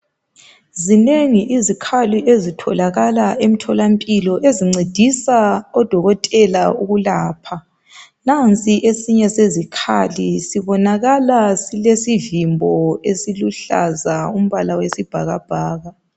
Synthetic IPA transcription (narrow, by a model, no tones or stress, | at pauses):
zineŋiʔizikʰaliʔezitʰɔ̰laɣalaʔem̩tʰɔlampʼilɔʔeziŋ͡ǀed̥ʱisaɔd̥ʱɔɣɔtʼɛlauɣulaːpʰa | nant͡sʼiʔesiɲɛsezikʰa̰lisiβɔnaɣalasilesivimbʱɔesiluɬa̰zaum̩βalawesib̥ʱaɣab̥ʱaːɣa